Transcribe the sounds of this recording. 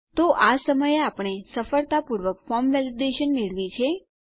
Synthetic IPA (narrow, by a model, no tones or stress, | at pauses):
t̪oʔasəməjeapəɳ̃esəfəɭt̪apuɾʋəkfɔmʋɛlideʃənmeɭʋit͡ʃʰe